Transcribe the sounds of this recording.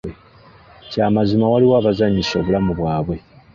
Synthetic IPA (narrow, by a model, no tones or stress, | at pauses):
e | caːmazimawaliwaːβazaɲːiso̞βulamuβwaːβwe̞